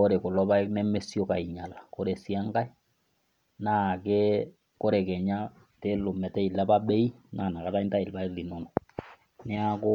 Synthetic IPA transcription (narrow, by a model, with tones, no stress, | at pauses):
o˦ɾe˨ko˨lɔ˦ba˦i˦knɛ˦mɛ˦sjo˦ka˨i˨ɲa˨la˨ko˦ɾɛ˨si˦a˦ŋɡa˦i˦ | na˦˨kɛ˦ | ko˦ɾɛ˨kɛ˨ɲa˦ | te˦lo˨mɛ˨tɛ˦i˨lɛ˦pa˦bɛ˦i˦na˦˨na˨ka˨ta˦inta˦i˨lpa˦i˦li˨no˨nɔ˨ | nɛ˦a˦ko˦